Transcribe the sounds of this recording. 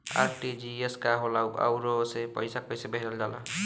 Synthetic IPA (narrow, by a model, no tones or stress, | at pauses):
a̰ɾʈid͡ʒieskaɦolawpa̰wɾosepʌ̰jsak̚pʌjsabeɦɾʌld͡zala̰